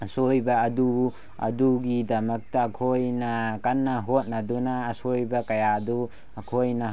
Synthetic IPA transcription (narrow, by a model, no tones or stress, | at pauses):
sojbɐːdu | ɐ̰duɡidɐmɐk̚tɐːkʰojnɐkanːɐɦot̚nɐdunaːsojbɐkɐjadu | ɐkʰojnɐ